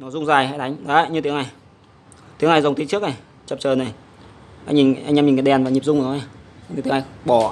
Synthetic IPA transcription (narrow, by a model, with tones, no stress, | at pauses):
nɔ˨˦zʊ˧ŋ͡mzaː˨˩jha̰ː˧˥t̪ʰa˨˦ŋ̟ɗaː˨˦˨ɲɨ˧t̪i˨˦əŋa˧˩j | t̪i˨˦əŋna˧˩jzə˨˩wŋ͡mt̪i˨˦t͡ɕɨ˦˥ək̚a˨˩ | t͡ɕə˨˩p̚t͡ɕəː˨˩na˨˩j | ʔa˧jŋɲi˨˩ŋʔŋʔa˧mɲi˨˩ŋa˨˩ɗɛ˨˩nvaː˨˩ɲi˨˩pzʊ˧ŋ͡mnɔ˨˦ʔa˧˩jɲɨ˧˩t̪ə˦ŋa˧˩ɓɔ˧˩